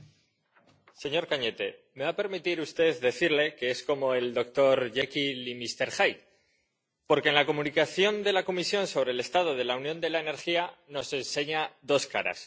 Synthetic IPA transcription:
se̞ɲo̞ɾkaɲe̞t̪e̞me̞βape̞ɾmit̪iɾust̪e̞ððe̞θiɾle̞ke̞e̞sko̞mo̞e̞ld̪o̞k̚t̪o̞ɾʝekilimist̪e̞ɾxajt̪̚ | po̞ɾkenlako̞munikaθjo̞nd̪e̞lako̞misjo̞nso̞β̞ɾe̞le̞st̪að̞o̞ð̞e̞launjo̞nd̪e̞laene̞ɾxiano̞se̞nse̞ɲaðo̞skaɾa̰s

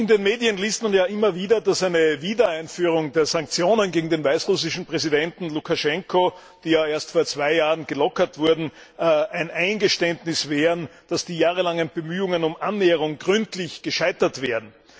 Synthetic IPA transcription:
ʔɪndenmeːdiənliːstmanjaːʔɪmɐviːdɐdasæɪnəviːdɐaɪnfyːʁ̞ʊŋdeːɐzaŋk̚t͡sjoːnənɡeːɡŋ̩deːnvaɪsʁʊs̬ɪʃn̩pʁ̥ɛzidɛntn̩lukʰaʃɛŋkʰo | d̥iːjaːeɐstfoːɐt͡sv̥aɪjaːʁənɡ̥əlɔkɐtv̥ʊɐdn̩ | ʔæɪnʔæɪnɡəʃtɛndnɪsv̥eːʁənd̥asd̥iːjaːʁ̞əlaŋənb̥əmyːʊŋənʊmʔanːeːəʁ̞ʊŋɡʁʏntlɪçɡ̥əʃaɪtɐtv̥eːɐdn̩

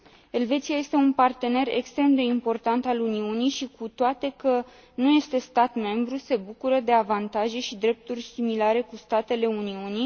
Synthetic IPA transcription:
e̞lve̞t̪siaje̞st̪e̞unpart̪e̞ne̞re̞̰kst̪ɾe̞md̪e̞impo̞rt̪ant̪aluniunijʃikʰut̪oat̪e̞kə | nuje̞st̪e̞st̪at̪me̞mbɾuse̞bukuɾəd̪e̞avant̪aʒe̞ʃid̪ɾe̞p̚t̪urʲsimilaɾe̞kust̪at̪e̞le̞uniuni

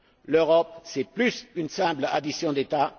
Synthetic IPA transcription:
løʁɔp̚sɛplysynsɛ̃bla̰d̪isjɔ̃d̪et̪a

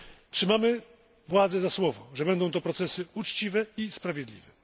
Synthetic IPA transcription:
tʂɘmamɘ | vwad̪zɛzaswɔvɔʐɛbɛnd̪ɔ̃w̃t̪ɔpɾɔt̪sɛsɘut͡ʂt͡ɕivɛispɾavʲjɛd̪lʲḭvɛ

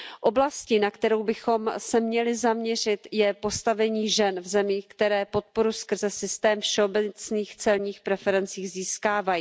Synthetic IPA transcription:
ʔo̞blascɪnakt̪ɛɾo̞wbɪxo̞msɛmɲɛlɪzamɲɛr̝ɪt̪jɛpo̞st̪avɛɲiːʒɛnvzɛmiːxkt̪ɛɾɛːpo̞t̪̚po̞ɾuskr̩zɛsɪst̪ɛːmfʃɛobɛt͡sniːxt͡sɛlɲiːxpɾɛfɛɾɛnt͡siːɣziːskaːvajiː

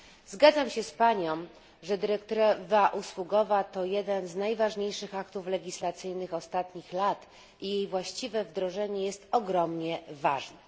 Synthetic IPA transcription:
zɡad̪zamɕɛspaɲɔ̃m | ʐɛd̪ɘɾɛkt̪ɔɾɛvaʔuswuɡɔvat̪ɔjɛd̪ɛnznajvaʐɲejʂɘxakt̪uflɛɡʲislat̪sɘjnɘxɔst̪at̪ɲixlat̪ | ijejvwaɕt͡ɕivɛvd̪ɾɔʐɛɲɛjɛst̪ɔɡɾɔmɲɛvaʐnɛ

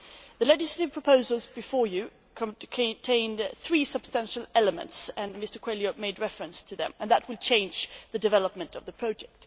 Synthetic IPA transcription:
ðɨlɛd͡ʒɨsləɾɨv̥pʰɹ̥əpʰoʊzəl̩ˠzbɨfɔɹjɨ | kʰkʰɨ̃ntʰẽɪ̃nθɹisʌb̥stæ̃nʃl̩ˠɛləmə̰̃ntsɨ̃nmɪstə˞kʰw̥eɪlˠjomeɪd̚ɹɛfɹɨ̃nstʰɨðɨ̰̃mə̃nðət̚wɨlˠt͡ʃʰẽɪ̃nd͡ʒðɨdɨvɛlˠəp̚mɨ̃ntʌvðəpʰɹ̥ɑʊd͡ʒɛk̚t̚

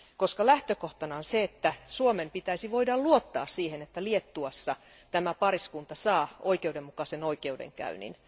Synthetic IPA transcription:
koskɑlæht̪økoht̪ɑnɑonseet̪ːæsuomempit̪æisiʋoidɑlluot̪ːɑːssiːhenet̪ːæliet̪ːuɑsːɑ | t̪æmæpɑriskunt̪ɑsɑːoikeuwdemmukɑsenoikeudḛŋkæ̰ynḭn

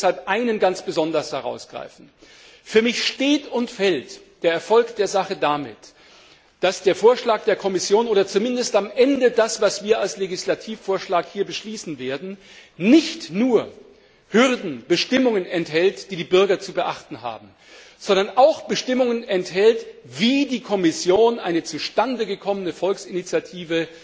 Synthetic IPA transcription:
shalpʔaɪnənɡant͡sb̥əzɔndɐshɛʁ̞a̰ʊsɡ̥ʁa̰ɪfn̩ | fyːɐmɪçʃteːtʊntfɛltd̥eːɐɛɐfɔlkd̥eːɐzaχədamɪ̰t | d̥asd̥eːɐfoːɐʃlaːk̚d̥eːɐkʰɔmɪsjoːnʔoːdɐt͡sumɪndəstamʔɛndədasv̥asv̥iːɐalsleɡɪslatʰiːfoːɐʃlaːkhiːɐbəʃliːsn̩veːɐdn̩ | nɪçtnuːɐ | hʏʁdn̩bəʃtɪmʊŋənɛnthɛltd̥iːdiːbʏɐɡɐt͡subəʔa̰χtn̩ɦa̰ːbm̩ | z̥ɔndɐnʔaʊxb̥əʃtɪmʊŋənɛnthɛltv̥iːdiːkʰɔmɪsjoːnʔaɪnət͡suʃtandəɡəkʰɔmənəfɔlksɪnit͡sjatʰiːvə

